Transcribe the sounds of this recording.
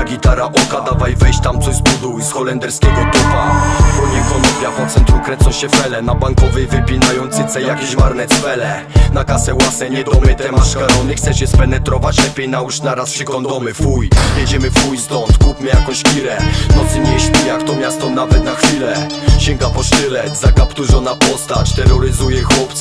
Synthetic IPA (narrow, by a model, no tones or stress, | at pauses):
ɡʲit̪aɾaʔɔkad̪avajvɛjɕt͡ɕt̪amt̪sɔzbud̪usxɔlɛnd̪ɛɾskʲɛɡɔt̪ɔmapɔɲikɔnɔvʲjapɔt̪sɛnt̪ɾukɾɛnsɔw̃ɕɛfɛlɛnabaŋkɔvɛjvɘpʲinajɔnt̪sɨt̪sɛjakʲɛɕvaɾnɛsfɛlɛ | nakasɛwasɛɲɛd̪ɔmɘt̪ɛmaʂkaɾɔnɛxt̪sɛt͡ɕɛspɛnɛt̪ɾɔvat͡ɕlɛpʲjɛjnauʂnaɾaspʂɛkɔnd̪ɔmɘfujjɛd͡ʑɛmɘfujst̪ɔnt̪kupmɘjakɔ̃w̃ɕkʲiɾɛnɔt̪sɘmʲɛɕpʲijakt̪ɔmʲjast̪ɔnavɛt̪naxfʲilɛ | ɕɛŋɡapɔʂt̪ɪlɛt̪zakapt̪uʐɔnapɔst̪at͡ɕt̪ɛɾːɔɾɪzujɛxwɔpt̪s